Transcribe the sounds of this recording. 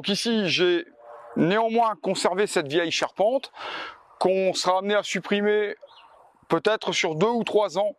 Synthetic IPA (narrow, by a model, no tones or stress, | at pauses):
d̪ɔ̃kisiʒe | neɑ̃mwɛ̃kɔ̃sɛʁvesɛt̪vjɛjʃaʁpɑ̃t̪ | kɔ̃səʁaːmneasypχime | pøt̪ɛt̪χəsyʁd̪øut̪χwazɑ̃